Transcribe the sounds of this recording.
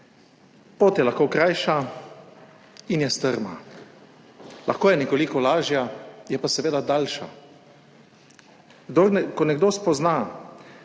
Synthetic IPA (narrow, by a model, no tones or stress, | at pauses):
poːt̪jɛlaxkokɾajʃa | injɛst̪əɾma̰ | lʔa̰xkoːjɛnɛkolikɔlaːʒjajɛpasɛʋeːd̪ad̪alʃa̰ | ɡd̪oɾnɛkɔnɛɡd̪oːspɔzna